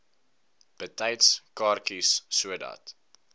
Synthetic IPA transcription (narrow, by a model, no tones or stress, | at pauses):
b̥ətɐjtskɑːrkisːuədɐ̰t